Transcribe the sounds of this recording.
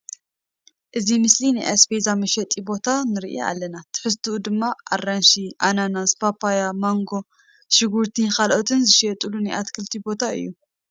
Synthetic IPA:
ʔɨzimɨslinajʔasbezamɐʃɐt̪ʼibo̞t̪ʰanɨɾḭʔiḛa̰lːɐnat̪ʰɨ̥ħɨs̬t̪ʰuud̪ɨmːaʔa̰rːanʃiʔananaspʰapʰajamaŋɡo̞ | ʃɨɡuɾt̪ʰikalʔot̪ʰɨnzɨʃɛt̪ʼulunajʔat̪kʰɨlt̪ʰibo̞t̪ʰaɨ̰jːu

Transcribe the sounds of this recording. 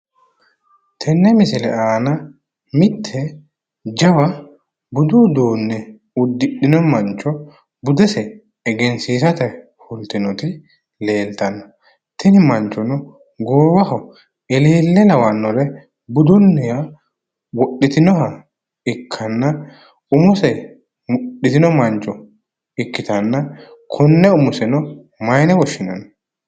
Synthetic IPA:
t̪ʰɛnːɛmɪsɪlɛ̰aːnɐ | mɪt̪ʰːɛ | d͡ʒɐwɐ | bʊd̪uːd̪oːnːɛ | ʊd̪ːɪɗɪnɔmɐnt͡ʃɔ | bʊd̪ɛsɛː | ɡɛnsiːsɐt̪ɛ | fʊlt̪ɪnɔt̪ɪ | le̞ːlt̪ɐnːɔ | t̪ʰɛnɪmɐnt͡ʃːɔnʊ | ɡoːwɐhɔ | ɛleːlːɛlɐwɐnːɔlɛ | bʊd̪ʊnːɛja | wɔɗːɪt̪ɪnɔɦɐ | ɪkʰːɐnːɐ | ʊmʊsɛ | mʊɗːɪt̪ɪnɔmɐnt͡ʃʼːɔ | ɪkːɪt̪ɐnːɐkʰɔnːɛʊmʊsɛnɔ | mɐjnɛwɔʃːɪnɐ̰nɔ

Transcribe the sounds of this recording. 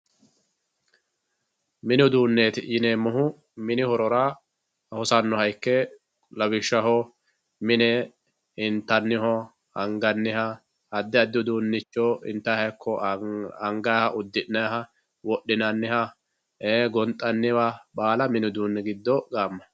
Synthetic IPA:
mɪnʊd̪uːnːeːt̪ɪjɪneːmːɔɦʊ | mɪnɪhɔɾɔɾa | hɔsɐnːɔhɐjkːɛ | lɐwɪʃːɐhɔ | mɪnɛ | ɪnt̪ːɐnːɪhɔ | ɐŋɡɐnːɪhɐ | ɐd̪ːɛɐd̪ːʊd̪uːnːɪt͡ʃːɔɪ̰nt̪ːɐhɐjkːɔɐŋɡɐhɐʔʊd̪ːɪʔnːɐhɐ | wɔɗːɪnɐnːɪhɐ | eɡɔnt̪ʼːɐnːɪwɐbaːlɐmɪnʊd̪uːnːɛɡɪd̪ːɔɡaːmːɐ

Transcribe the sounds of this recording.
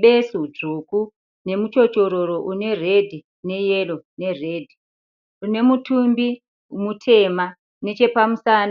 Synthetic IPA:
ɓesud͡ʐuku | ne̞mut͡ʃo̞t͡ʃo̞ɾo̞ɾo̞ʔune̞re̞dʱi | ne̞jelo̞ne̞re̞ːdʱi | une̞mutumbi | mutʰe̞ːma | ne̞t͡ʃe̞pamusan

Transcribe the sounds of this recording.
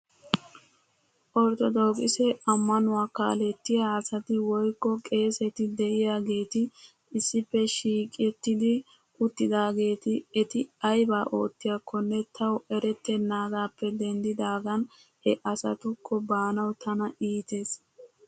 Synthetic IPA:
ʔɔɾt̪ɔd̪o̞ːkʼɪsɛɐmːɐnʊwaːka̰ːlɛt̪ːɪjaːsɐt̪ɪwɔjkːɔkʼe̞ːsɛt̪ɪd̪ɛʔɪjaːɡe̞ːt̪ɪ | ɪsːɪpːɛʃiːkʼɛt̪ːɪd̪ɪ | ʔʊt̪ːɪd̪aːɡe̞ːt̪ɪɛt̪ɪɐjbaːʔoːt̪ːɪjakʰːɔnːɛt̪ʰɐwʔɛɾɛt̪ːɛnːaːɡaːpːɛd̪ɛnd̪ɪd̪aːɡɐn | hɛʔɐsɐ̰t̪ʊkʰːɔbaːnɐwt̪ʰɐnɐʔiːt̪e̞ːs

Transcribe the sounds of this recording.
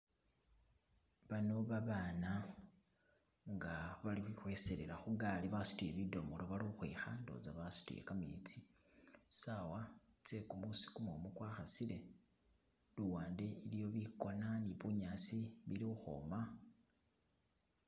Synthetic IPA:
βano̞βaβaːna | ŋɡaβalixwixwe̞se̞ɾelaxuɡaliβasu̥tujeβido̞molo̞βaliuxweːxando̰zaβasu̥tṵjḛkamḭt͡si̥ | sawa | t͡se̞kumusi̥kumomukwaːxasile̞ | duwaːnde̞ilijo̞βiko̞naniβuɲasiβilixuxo̰ːma

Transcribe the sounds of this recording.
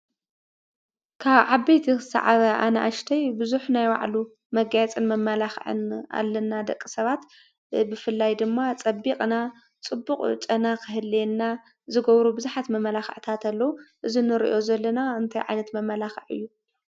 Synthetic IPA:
kʰaβʕabejt̪ʰikɨsa̰ʕaβɐʔanɐʔa̰ʃt̪ʰɐjbɨzuħnajwa̰ʕlu | mɐɡajt͡sʼɨnmɐmːɐlaxʕɨ̰na̰lːɐnːad̪ɐkʼːisɐβat̪ | bɨfɨlːajd̪ɨmːat͡sʼɐbːikʼna | t͡sʼɨbːuqʼt͡ʃʼɐnakʰɨɦɨlːenːa | zɨɡɐβɾubɨzuħat̪mɐmːɐlaxɨ̰ʕt̪ʰat̪ʰalːɐwuʔɨzinɨɾḭʔo̞zɐlːɐnaɨnt̪ʰajʕa̰jnɐt̪mɐmːɐlaxɨʕɨ̰jːu

